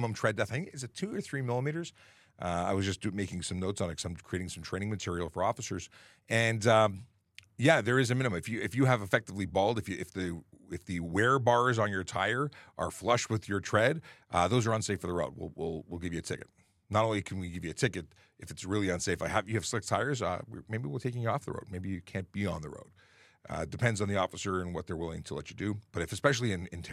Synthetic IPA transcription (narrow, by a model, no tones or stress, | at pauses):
mə̃mtʰɹ̥ɛdɛθaɪθɪ̃ŋkɨtsɨtʰʉə˞θɹimɪlˠəmiɾə˞z̥ | ʔʌa̰ɪwʌzd͡ʒʌsd̥ɨmeɪkɪ̃ŋsʌ̃mnoʊtsn̩ɨsãɪ̃mkʰɹ̥ieɪɾɪ̃ŋsʌ̃m̩tʰɹ̥ẽɪ̃ɪ̃ŋmɨtʰɪɹil̩ˠfə̰˞ɔfəsə˞z̥ | ɨ̃nʌ | jæðə˞ɨzɨmɪ̃nɨmɨ̃mɨfjɨɨfjɨːvɨfɛk̚tɨvlibɔʊlˠdɨfjɨɪfðɨ | ɪfðɨwɛɹbɑɹzn̩jə˞tʰa̰ɪə˞ʔə̰˞flʌʃt̚wɨðjə˞tʰɹ̥ɛdʔðoʊzə˞ʌ̃nseɪfə˞ðəɹoʊd̚wɪ̰lˠwɪlˠwɪlˠɡɪvjɨɨtʰɪkɨt̚ | nəɾõʊ̃nlˠikʰnwiɡɪvjɨɨtʰɪkɨɾ | ʔɨfɨtsɹɪlˠiɨ̃nseɪfaɪævjɨːv̥slɪk̚tʰaɪə˞zʌ̰wɪ̰meɪbiwɪl̩ˠtʰeɪkɪ̃ŋjɨɔfðə̰ɹo̰ʊd̚meɪbijɨkʰæ̃nb̥iə̃nðə̰ɹo̰ʊd̥̰̚ | dɨpʰɛ̃ndzn̩ðiɔfəsə˞ɨ̃nwʌt̪̚ðə˞wɪlˠɪ̃ŋtʰəlɛ̰t͡ʃɨdɨb̥ʌɾɨfɨspɛʃl̩ˠiɨ̃nɨ̰̃ntʰ